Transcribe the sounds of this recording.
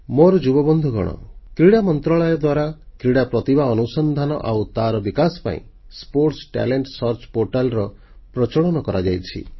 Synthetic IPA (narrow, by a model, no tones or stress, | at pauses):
moɾɔd͡ʒubɔbɔnd̪ʱuɡɔ̰ɽ̃ɔ̰kɾiɽamɔnt̪ɾɔɭɔjɔd̪waɾakɾiɽapɾɔt̪ibaɔnusɔnd̪ʱanɔ̰ʔawt̪aɾɔbikasɔ̥pa̰ḭ̃spoɾʈsʈa̰leɳʈsɔɾt͡ʃɔ̥poɾʈalɾɔ | pɾɔt͡ʃɔɽɔnɔkɔɾʔad͡ʒajt͡ʃʰḭ